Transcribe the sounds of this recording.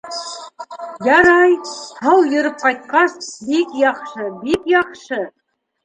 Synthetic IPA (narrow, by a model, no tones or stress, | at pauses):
jɑɾɑjh̪ɑwjɤ̆ɾɤp̚qɑjt̪̚qɑsbikjɑqʃɤbikjɑqʃɤ